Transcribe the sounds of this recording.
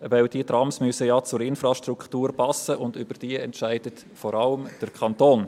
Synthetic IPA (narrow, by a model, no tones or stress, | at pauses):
ʋɛwd̥iət̪ɾɑmsmysəjɑːt͡sʊɾɪnfɾɑʃtruktuːɾpʰɑsːəʊndʏb̥əɾd̥iəɛntʃæɪd̥ət | fɔɾɑləmd̥əɾkʰɑnt̪oːn